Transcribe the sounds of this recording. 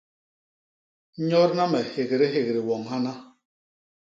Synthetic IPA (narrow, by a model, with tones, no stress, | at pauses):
ɲɔ˦ɾna˦mɛ˨he˨ɣɾe˦ɦe˨ɣɾi˨wɔ˨ŋha˦na˦